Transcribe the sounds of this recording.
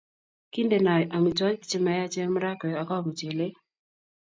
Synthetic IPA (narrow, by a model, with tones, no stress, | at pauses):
ki˦nde˨na˨jʔa˨mi˨tɔ˦ɲi˦t͡ʃe˦ma˨ja˦t͡ʃe˦m˦ɾa˦kɔ˨a˨kɔ˦βu˨t͡ʃe˨le˦